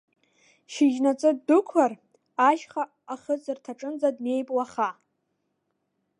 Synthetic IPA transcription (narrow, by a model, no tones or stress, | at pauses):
ʃɪd͡ʒnat͡sʼɨdʊkʷʰar | aʃχaːχət͡sʰʼɨrtʰaʈ͡ʂʼɨnd͡zadne̞jpʼlaχa